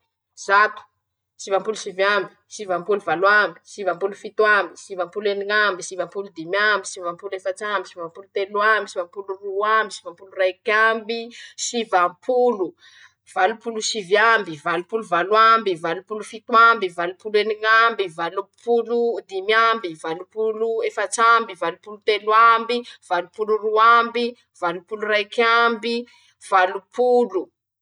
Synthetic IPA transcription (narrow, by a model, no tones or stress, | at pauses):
z̥at̪u̥ | sivampulusivjambi̥ | sivampuluvalambi̥sivampulufit̪wambisivampuleniŋambisivampulud̪imambisivampulefat͡ʃambisivampulut̪eluambisivampuluruambisivampulurajkambisivampʰulu | v̥alupulusivjambivalupuluvalwambivalupulufit̪wambivalupuleniŋambivalupʰulud̪imambivalupuluefat͡sambivalupulut̪eluambiv̥alupuluruambi | v̥alupulurajkʲambi | v̥alupulu